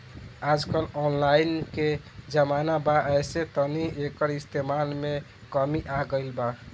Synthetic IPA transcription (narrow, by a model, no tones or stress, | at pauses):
ad͡ʒkəlɔnlajinke | d͡ʒəmanabaʔɛjset̪əniekəɾist̪ʰemanme | kəmiʔaɡəjlba